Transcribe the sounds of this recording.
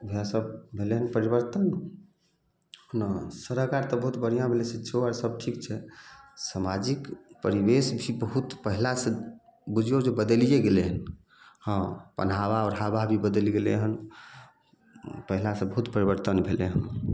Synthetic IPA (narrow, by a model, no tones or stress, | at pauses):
bʱasəbbʱeleɦənpəɾibəɾt̪ən | ɦnasəɾəkaɾt̪ɔbəɦut̪bən̤ijãbʱelesẽt͡ʃʰoaɾsəb̚ʈʰikt͡ʃʰɛsamad͡ʒikpəɾibesbʱibəɦut̪pəɦilasẽ | bud͡ʒʱjod͡ʒebəd̪əlijeɡeleɦən | hə̃pə̰n̤aβaɔɾɦababʱibəd̪əlɡelḛɦən | pəɦilasẽbəɦut̪pəɾibəɾt̪ənbʱeleɦən